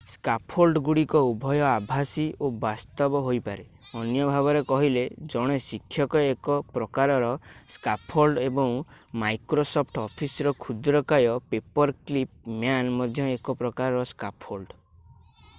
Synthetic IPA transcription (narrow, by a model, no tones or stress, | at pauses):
skapʰholɖɡuɽikɔubʱɔjɔabʱasiobast̪ɔbɔɦojpaɾe | ɔnjɔbʱabɔɾekɔɦiled͡ʒɔɽ̃esikʰːjɔkɔekɔpɾɔkaɾɔɾɔskapʰholɖebɔŋmajkɾosɔpʰʈɔpʰisɾɔkʰud̪ɾɔkajɔpepɔɾklip̚mjanmɔd̪ʱjɔekɔpɾɔkaɾɔɾɔskapʰholɖ